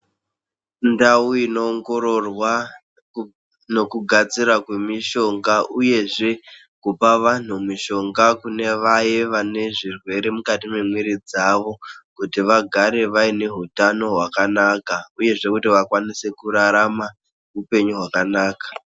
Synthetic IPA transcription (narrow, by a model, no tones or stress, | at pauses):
ndauino̞ːŋɡo̞ɾo̞rwa | no̞kuɡʱat͡siɾakwe̞miʃo̞ŋɡaʔuje̞ʐe̞ | kupaʋan̤umiʃo̞ŋɡakune̞ʋaje̞ʋane̞ʐirwe̞ɾe̞mukatime̞mwiɾid͡zaʋo̞kutiʋaɡʱaɾe̞ʋaine̞ɦutano̞ɦwakanakauje̞ʐe̞kutiʋakwanise̞kuɾaɾama | upe̞ɲuɦwakanaːkḁ